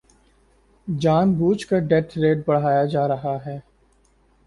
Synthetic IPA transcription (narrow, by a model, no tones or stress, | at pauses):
d͡ʒaːnbuːt͡ʃkaɖɛʈ̪ʰɾeːʈ̚bɐɽɦaːjad͡ʒaːɾɐɦaɦɛː